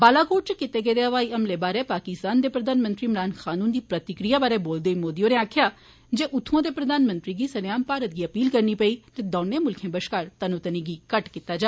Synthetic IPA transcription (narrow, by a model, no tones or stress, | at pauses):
baːlaːkoːʈt͡ʃkɪt̪eːɡeːd̪eːɦəʋaːiəmleːbaːɾeːpaːkɪst̪aːnd̪eːpɾəd̪aːnmə̃nt̪ɾiːmɾaːnxʰaːnuːnd̪iːpɾət̪ɪkɾijaːbaːɾeːboːld̪eːimoːd̪ijoːneːaːkʰjaː | d͡ʒeːʔʊt̪ʰːõːd̪eːpɾəd̪aːnmə̃nt̪ɾiːɡiːsənjaːmpaːɾət̪̚ɡiːəpiːlkəɾniːpəiːt̪ed̪ɔːneːmʊlkʰẽːbəʃkaːɾt̪ənũːt̪ənĩːɡiːkəʈkɪt̪ːaːd͡ʒaː